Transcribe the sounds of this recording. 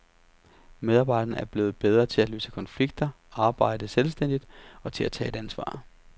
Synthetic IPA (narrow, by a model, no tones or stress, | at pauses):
með̞ˠɑ̈b̥ɑ̈ɪ̥ɐn̩æɐb̥le̝ːð̩ˠb̥eð̞ˠʁɐt͡sʰe̝læløːsəkʰɒ̽nfliɡ̥̚d̥ɐ | ɑ̈ːb̥ɑ̈ɪ̰d̥əselsd̥en̰d̥id̥ɒ̽t͡sʰe̝læt͡sʰɛ̰ːe̝d̥ænsʋɑ̰̈ː